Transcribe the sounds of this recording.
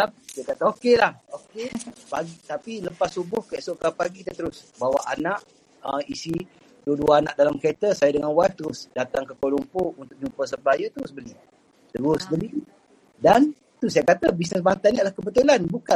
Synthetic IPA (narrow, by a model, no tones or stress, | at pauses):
asajakat̪aokelahokepaɡit̪apiləpasːubʊhkaʔsoʔkapaɡiit̪ət̪əɾʊsbawaʔanaʔ | əisi | duduaanaʔ̚dalamkəet̪əsajadəŋanwaht̪əɾʊsdat̪aŋkəkolumpount̪ʊk̚ɲumpəs̬əmpajət̪əɾʊsbəli | t̪əɾʊsbəli | dan | t̪usajakat̪abis̬nəsbant̪aniaʔlahkəbət̪ulanbuka